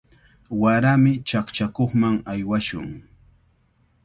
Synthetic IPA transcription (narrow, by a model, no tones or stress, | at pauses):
waɾamɪt͡ʃakt͡ʃakoχmaŋajwaʃʊ̰ŋ